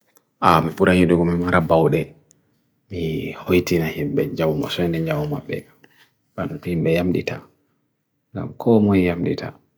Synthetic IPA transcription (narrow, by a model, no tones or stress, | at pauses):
ʔamipuɾʔaɲiɗuɡɔmimaɾabawɗɛ | mihojtinahimɓɛd͡ʒawuma̰sɔɛndɛd͡ʒawuma̰bːɛ̰ | banhimbɛjamɗḭtʰa | ŋɡa̰mkʰɔmojjamɗḭtʰa